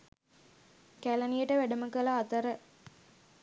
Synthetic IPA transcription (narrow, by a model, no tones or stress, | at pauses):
kælɐnijəʈəʋæɖəməkəlaːt̪əɾə